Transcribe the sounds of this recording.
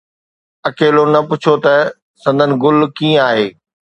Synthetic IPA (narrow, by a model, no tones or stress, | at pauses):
ɐkeːlonɐpʊt͡ɕʰot̪ɐ | sɐ̃nd̪ʱənɪ̆ɡʊlkĩːə̃aːɦeː